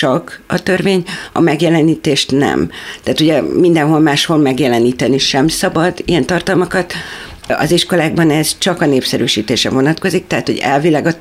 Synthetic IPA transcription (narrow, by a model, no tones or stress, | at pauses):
t͡ʃɒkɒt̪ø̞rveːɲɒ̰mɛɡjɛlɛniːt̪eːʃt̪nɛ̰mt̪ɛaːt̪uɟɛmind̪ɛnɦo̞lmaːʃholmɛɡjɛlɛniːt̪ɛniʃɛmsɒbɒd̪ijɛnt̪ɒrt̪ɒlmɒkɒt̪ | ɒ̰ziʃko̞laːɡ̚bɒnɛz̥t͡ʃɒkɒneːpsɛɾyːʃiːt̪eːʃrɛ̰vo̞nɒt̪ko̞zik̚t̪ɛɦat̪ho̞̰ɟɛ̰lvilɛːɡɒ